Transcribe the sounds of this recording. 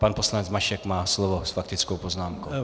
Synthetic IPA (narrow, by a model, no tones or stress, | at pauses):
panposlanɛt͡smaʃɛkmaːslovosfakt̪ɪt͡skowpoznaːmko